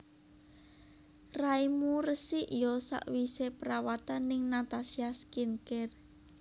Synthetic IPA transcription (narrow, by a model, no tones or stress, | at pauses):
raimurəsiʔjɔsa̰ʔwisepəɾawat̪anɪŋnat̪asiaskinkɛr